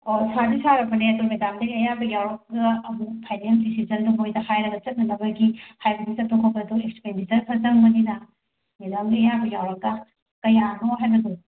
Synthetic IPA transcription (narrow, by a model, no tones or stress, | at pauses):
osadisaɾɐpɐneɐtumedamdɐɡiɐjabɐɡjawɾɐk̚ɡɐɐmukpʰajneldisizɐnduɦojdɐhajɾɐɡɐt͡ʃɐt̚nɐnɐbɐɡihajbɐdut͡ʃɐt̚tokʰokɐduekspendit͡ʃɐɾpʰɐzɐŋmɐninɐ | medamɡiɐjabɐjawɾɐk̚ɡɐ | kɐjanoɦajbɐdu